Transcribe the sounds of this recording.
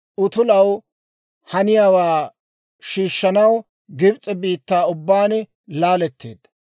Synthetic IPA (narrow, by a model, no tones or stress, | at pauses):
ʔʊt̪ʊlɐw | hɐnɪjaːwaː | ʃiːʃːɐnɐw | ɡɪbt͡sʼːɛbiːt̪ːaːʊbːaːn | laːlɛt̪ːḛːd̪ːɐ